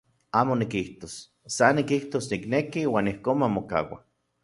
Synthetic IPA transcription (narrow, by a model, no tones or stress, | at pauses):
aːmonikiht̪osː | anikiht̪osniknekiwaːnihkoːnmamoka̰wa̰